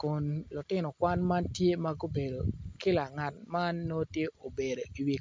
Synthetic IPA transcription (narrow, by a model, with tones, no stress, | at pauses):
ko˨nlʊ˨tɪ˦nɔ˨kwa˦nma˦ntje˦ma˦ɡo˦be˨do˨kɪ˦la˨ŋa˨t̚ma˦nːo˦tje˦ʔo˨be˨do˨i˨wi˦k